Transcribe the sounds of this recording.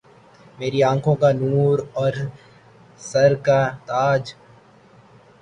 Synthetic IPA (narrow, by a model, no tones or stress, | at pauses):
meːɾiãːkʰõkanuːɾɔːɾ | sɐɾkat̪aːd͡ʒ